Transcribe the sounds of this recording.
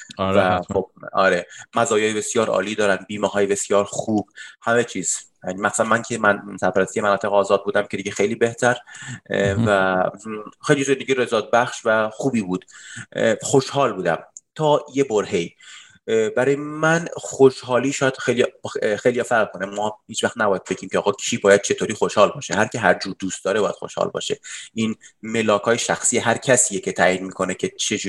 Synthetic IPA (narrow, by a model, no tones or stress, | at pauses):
væxob̚ɒ̰ːɾemæzɒːjɒːjebe̞sjɒːɾɒ̰ːliːd̪ɒːɾænd̪̚biːmɒːɦɒːjebe̞sjɒːɾxuːb̥hæme̞t͡ʃʰiːz̥ | jnimæxsænmæncʰemænsæɾpʰæɾæst̪ijemænɒːt̪ʰe̞ɣɒːzɒːd̪̚buːd̪æmcʰe̞d̪iɟexejliːbe̞ht̪ʰæɾ | væ | xejlizend̪eɡɟiɾezɒːd̪̚bæχʃvæxuːbiːbuːd̪̥ | xo̞ʃhɒːlbuːd̪æ̰mt̪ʰɒːjeboɾɦe̞i | bæɾɒːjemænxoʃɦɒːliːʃɒːjæd̪̥xejlijxejlijɒːfæʁlkʰonemɒːhiːt͡ʃvæχt̪næbɒːjæd̪fecʰiːmcʰeɒːɣɒːkʰiːbɒːjæd̪̚t͡ʃʰe̞t̪ʰoːɾiːxoʃhɒːlbɒːʃeɦæɾcʰeɦæɾd͡ʒuːɾd̪uːst̪̚d̪ɒːɾe̞bɒːjæd̪xo̰ʃhɒ̰ːlbɒ̰ːʃeʔiːnme̞lɒːkʰɒːjeʃæxsiːeɦæɾcʰæsiːjecʰe̞t̪ʰæːʔiːd̪miːkʰonecʰe̞t͡ʃʰed͡ʒu